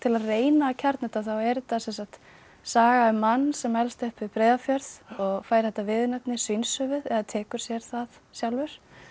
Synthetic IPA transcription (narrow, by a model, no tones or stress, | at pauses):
t̪ʰɪlaðreːjnaːcʰaɾt̪nɛt̪aθawɛɾt̪asɛnsakt̪ | saːɣaɛmanːsɛmɛlst̪ʏhpvɪpɾeːjðafjœɾðɔɣfaːjɾ̥hɛt̪ːavɪðnɛpnɪ̥sinsʏvɪðɛðat̪ʰɛːkʏɾ̥sjɛɾ̥θaðsjawlvʏɾ̥